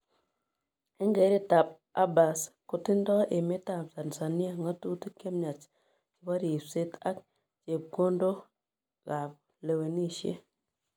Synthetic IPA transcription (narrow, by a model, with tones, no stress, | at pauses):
e˦ŋɡe˨˦ɾi˦ta˨p̚ | a̰˦ba˨sko˨ti˦n˦dɔ˦ʔe˨me˦ta˨m˨ta˨n˨sa˨ni˦a˨ŋa˦tu˦ti˦ke˦mɲa˨t͡ʃ | ki˨˦ba˦ɾi˨se˦ta˦k̚ | t͡ʃe˨p̚ɡo˦ndo˦ | ɣa˨p̚ | le˨we˨ni˦˨ʃḛ˦